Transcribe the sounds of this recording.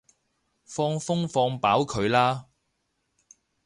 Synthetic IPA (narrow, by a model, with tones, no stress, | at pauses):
fɔː˧ŋfʊ˥ŋfɔː˧ŋpaː˨˥wkʰɵ˨˧ɥlaː˥